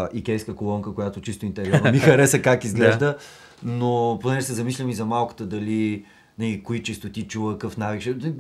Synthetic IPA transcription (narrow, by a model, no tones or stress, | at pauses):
ikʲɛjskəkolˠɔŋkəkojat̪ot͡ʃist̪oint̪ɛɾiɔɾmixɐɾɛsəkakizɡlɛʒd̪ə | noponɛʒɛsɛzɐmislʲəmizɐmalˠkə̥t̪əd̪ɐli | nɐlikoit͡ʃist̪ot̪it͡ʃuvəkɤfnavikʃɛ